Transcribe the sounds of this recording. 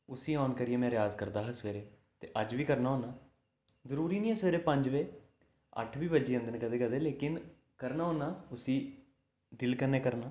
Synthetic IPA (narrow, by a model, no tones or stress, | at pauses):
ʊsiːɔːnkəɾɪjeːmɛ̃ːɾɪjaːzkəɾd̪aːɦaːsʋeːɾeː | t̪ḛːʔəd͡ʒʋiːkəɾnaːɦõːnaː | zəɾuːɾiːnĩːɛːsʋeːɾeːpəɲd͡ʒʋeː | ə̰ʈʰʋiːbəːd͡ʒiːə̃nd̪ənkəd̪eːkəd̪eːleːkɪn | kəɾnaːɦõːnaːʊsiː | d̪ɪlkəɾneːkəɾnaː